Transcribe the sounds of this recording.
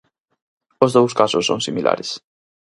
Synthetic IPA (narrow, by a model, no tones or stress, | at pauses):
ozðowskasʊsːo̰ŋsimilʔa̰ɾes